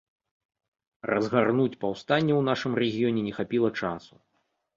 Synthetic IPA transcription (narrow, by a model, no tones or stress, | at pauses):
rɐzɣarnut͡sʲpawst̪anʲːɛwnaʂɨmrɛɣʲijɔnʲɛnʲɛxapʲilˠɐt͡ʂasu̥